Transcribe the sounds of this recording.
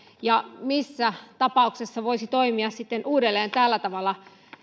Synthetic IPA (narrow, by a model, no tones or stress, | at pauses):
jɑmisːæt̪ɑpɑˑuksesːɑʋoisit̪oimiɑssit̪ːenʔuːdelːeːnt̪æːlːæt̪ɑʋɑlːˑɑ